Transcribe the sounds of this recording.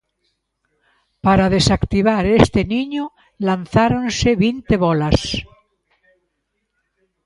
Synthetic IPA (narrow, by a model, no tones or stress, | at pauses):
paɾaðesakt̪iβ̞aɾest̪eniɲo | lanθaɾonseβint̪eβolas